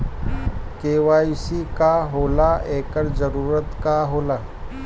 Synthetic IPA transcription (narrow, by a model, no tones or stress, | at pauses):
keːʋajsikaɦolaekəɾd͡zəɾuːɾət̪kaɦoːla